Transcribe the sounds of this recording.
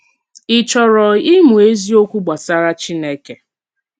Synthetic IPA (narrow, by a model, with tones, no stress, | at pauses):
ɪ˨t͡ʃɔ˨ɾɔ˨i˦mu˨e˦zi˦o˦kʷu˦ɡ͡ba˨sa˦ɾa˦t͡ʃi˦ne˦ke˨